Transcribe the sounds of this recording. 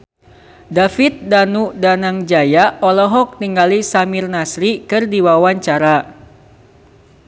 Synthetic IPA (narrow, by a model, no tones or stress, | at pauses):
dafit̪̚danudanaŋd͡ʒajaɔlɔɦɔk̚t̪iŋɡalisamɪrnasɾikɨrdiwawaɲt͡ʃaɾa